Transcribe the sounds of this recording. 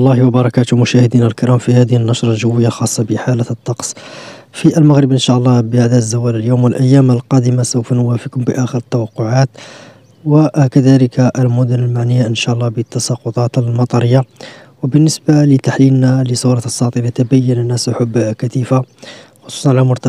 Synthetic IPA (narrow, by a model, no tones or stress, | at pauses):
ʔɑlˤːɑhwɑbɑɾˤɑkæt̪ʊmʊʃæhəd̪inælkəɾˤɑmfihæd̪əhnːɑʃɾˤɑlʒəwːəjːalxɑsˤːɑbəħalət̪ˤːɑqsˤfiʔəlmaɣɾəbʔənʃaʔəlˤːɑbəhæd̪æzːæwæləljomwəlʔæjːæməlqɑd̪əmasəwfnʊwæfəkʊmbəʔæxəɾət̪ːɑwɑqːʊʕat̪ | wəkæd̪æləkʰaʔəlmʊd̪ʊnəlmaʕnəjːaʔənʃæʔəlˤːɑhbət̪ːɑsˤɑqʊt̪ˤɑt̪əlmɑt̪ˤɑɾəjːawəbənːəsbalət̪aħlilnaləsuɾˤɑsˤːɑt̪ˤinat̪əbæjːənənːæsʔʊħʊbːkæt̪ifa | xosˤu̥ːsˤɑnʕalæmʊɾt̪ɑ